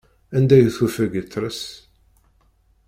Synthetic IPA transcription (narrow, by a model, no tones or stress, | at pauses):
ænd̪æjəθufæɡət͡sːɾəs